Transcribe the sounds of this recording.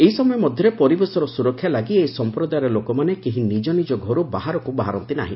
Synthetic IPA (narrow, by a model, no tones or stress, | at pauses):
eɦisɔmɔjɔmɔd̪ʱjɔɾepɔɾibesɔɾɔsuɾɔkʰjalaɡieisɔmpɾɔd̪ajɾɔlokɔmanekiɦĩnid͡ʒɔnid͡ʒɔɡʱɔɾubaɦaɾɔkubaɦaɾɔnt̪ina̰ɦḭ̃